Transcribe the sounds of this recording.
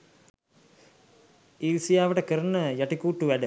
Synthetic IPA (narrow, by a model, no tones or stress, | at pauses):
iːlsijaːʋəʈəkəɾənːəjaʈikuːʈːuʋæɖə